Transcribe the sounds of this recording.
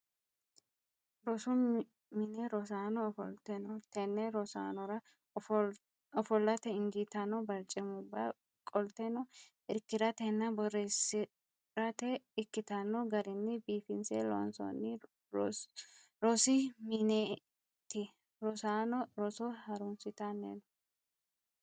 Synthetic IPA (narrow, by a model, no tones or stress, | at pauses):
ɾɔsʊ | mɪnɛɾɔsaːnɔːfɔ̰lt̪ɛnɔt̪ɛnːɛɾɔsa̰ːnɔɾɐ | ɔfɔlːɐt̪ɛɪŋɡit̪ɐnɔbɐɾt͡ʃʼɪmʊbːɐ̰ | kʼɔlt̪ɛnɔ | ɪɾkːɪɾɐt̪ɛnːɐbɔresɪ | ɾɐt̪ɛɪkːɪt̪ɐnːɔɡɐɾɪnːɪbiːfɪnselo̰ːnsɔ̰nːɪ | ɾɔsɪmɪne | t̪ɪ | ɾɔsaːnɔɾɔsɔhɐɾʊnsɪt̪ɐnːḛnɔ